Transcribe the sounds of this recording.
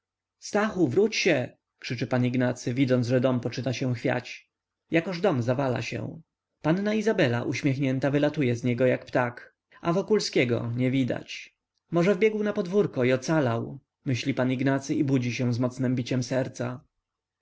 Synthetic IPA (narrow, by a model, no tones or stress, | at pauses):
st̪axuvɾut͡ɕɕɛ | kʂɘt͡ʂɛpaniɡnat̪sɘvʲid̪zɔnʐɛd̪ɔmpɔt͡ʂɘt̪aɕɛw̃xfʲja̰t͡ɕ | jakɔʐd̪ɔmzavala̰ɕɛ̰̃ | panːaizabɛla̰ʔuɕmʲjɛxɲɛnt̪avɘlat̪ujɛzɲɛɡɔjakpt̪ak | ʔavɔkulskʲɛɡɔ̰ɲɛvʲid̪a̰t͡ɕ | mɔʐɛvbʲjɛɡwnapɔd̪vuɾkɔiɔt̪salaw | mɘɕlʲipaniɡnat̪sɘibud͡ʑiɕɛ̃zmɔt̪snɘmbʲit͡ɕɛmsɛɾt̪sa